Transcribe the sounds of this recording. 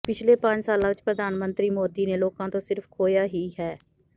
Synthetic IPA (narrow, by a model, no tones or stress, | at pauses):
pɪt͡ʃʰleːpə̃ɲd͡ʒsaːlãːʋɪt͡ʃpɾəd̪ʱaːnmənt̪ɾiːmoːd̪iːneːloːkãːt̪õːsɪɾpʰkʰoːjaːɦiːɦɛː